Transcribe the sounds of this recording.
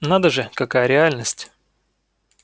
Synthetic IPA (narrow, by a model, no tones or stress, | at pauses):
nad̪əʐɨkɐkajəɾʲɪalʲnəsʲtʲ